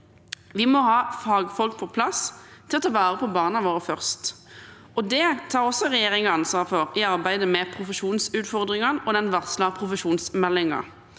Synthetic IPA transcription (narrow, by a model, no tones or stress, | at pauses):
ʋɪmɔɦɑːfɑːɡfɔlk̚pʰɔpʰlɑst̪ʰɪlɔt̪ʰɑːʋæːʁəpʰɔbɑːnɑʋoːʁəfœʁst̪ | ɔd̪ɛt̪ʰɑːʁɔsːɔʁɛjeːʁɪŋɑnsʋɑːʁfɔʁɪɑʁbæɪd̪əmɛpʰʁʊfəʃuːnsʉːt̪fɔʁd̪ʁɪŋɑnɔd̪ɛnʋɑʁslɑpʰʁʊfəʃuːnsmɛlːɪŋɑ̰